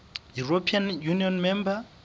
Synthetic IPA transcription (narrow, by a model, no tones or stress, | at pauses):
juɹopʰianjuniɔnmɛ̃mba